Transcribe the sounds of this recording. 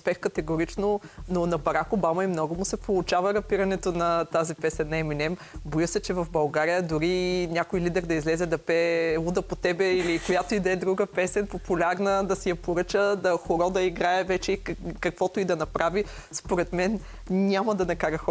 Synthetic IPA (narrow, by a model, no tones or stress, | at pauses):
ʊspɛxkɐt̪ɛɡʊɾit͡ʃnononɐbɐɾakobamɐimnɔɡʊmʊsɛpolˠʊt͡ʃavəɾɐpiɾɐnɛt̪onɐt̪azipɛsɛnːɐɛminɛm | bɔjəsɛt͡ʃɛvɐvbɐlˠɡaɾijəd̪ʊɾinʲakojlid̪ɛɾd̪ɐizlɛzɛd̪ɐpɛud̪əpot̪ɛbɛilikojat̪oid̪ɛd̪ɾuɡəpɛsɛnpopʊlʲaɾnəd̪ɐsijɐpoɾɤt͡ʃəd̪ɐxoɾɔd̪ɐiɡɾaɛvɛt͡ʃɛikɐkvɔt̪oid̪ɐnɐpɾavi | spoɾɛt̪mɛn | nʲamɐd̪ɐnɐkaɾəxɔ